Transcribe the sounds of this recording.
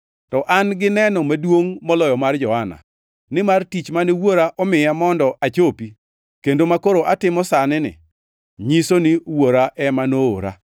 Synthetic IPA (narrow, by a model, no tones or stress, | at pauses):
tɔʔanɡɪnɛnɔmadwoŋmɔlɔjɔmard͡ʒɔhana̰ | nɪmartit͡ʃmaniwoɾaʔɔmɪjamɔndɔʔat͡ʃopi | kendomakoɾoʔatɪmɔsanɪnɪ̰ | ɲisoniwoɾaʔɛmanoo̰ɾa̰